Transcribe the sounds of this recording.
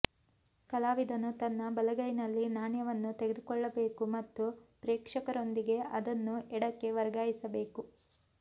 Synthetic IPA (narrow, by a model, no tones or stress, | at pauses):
kɐlaːʋid̪ɐnːut̪ɐnːɐbɐlɐɡɐjnɐlːinaːɳjɐʋɐnːut̪eɡed̪ukɔɭːɐbe̞ːkumɐt̪ːupɾɛːkʂɐkɐɾo̞nd̪iɡe̞ʔɐd̪ɐnːuʔɛɽɐkːe̞ʋɐɾɡaːjisɐbe̞ːku